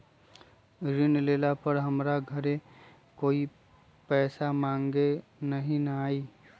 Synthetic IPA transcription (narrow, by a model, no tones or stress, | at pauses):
ɾɪnleːlapəɾɦɐmɾaɡʱəɾẽ | koːi | pɛːsamãːŋɡenɐɦĩnɐaːiː